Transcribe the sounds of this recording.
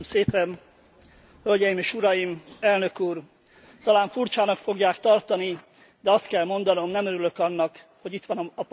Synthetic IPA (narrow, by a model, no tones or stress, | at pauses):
mseːpɛn | hølɟɛjimeːʃuɾɒjimɛlnø̞kuːr | t̪ɒlaːɱfurt͡ʃaːnɒkfo̞ɡjaːkt̪ɒrt̪ɒni | d̪ɛɒst̪kɛlmo̞nd̪ɒno̞mnɛmøɾylø̞kɒnːɒkho̞ɟit̪ʋɒnːp